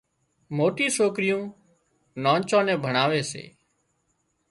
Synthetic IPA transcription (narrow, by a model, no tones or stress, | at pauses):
moːʈiːsoːkɾɪjõː | nõːnt͡ʃõːnɛ̃ːbʱəɳaːʋeːsḛː